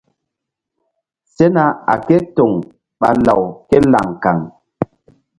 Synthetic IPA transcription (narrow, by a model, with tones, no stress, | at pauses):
se˦na˦a̰˨ke˦to˨ŋ | ɓa̰˨la˨wkɛ˦la̰˨ŋka̰˨ŋ